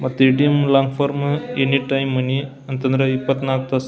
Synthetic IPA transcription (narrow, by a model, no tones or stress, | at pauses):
mɐt̪iʈimlãŋɡfoɾmeniʈajmːəni | ɐnt̪ɐnɾəipət̪naɡ̚t̪as